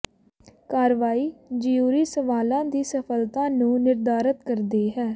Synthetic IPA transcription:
kaːɾʋaːiːd͡ʒijuːɾiːsəʋaːlãːd̪iːsəpʰəlt̪ãːnũːnɪɾd̪aːɾət̪kəɾd̪eːɦɛː

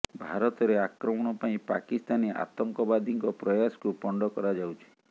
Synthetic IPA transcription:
bʱaɾɔt̪ɔɾeakɾɔmɔɽ̃ɔpaĩpakist̪aniʔa̰t̪ɔŋkɔbad̪ʱiŋkɔpɾɔjasɔ̥kupɔɳɖɔkɔɾad͡ʒawt͡ʃʰi̥

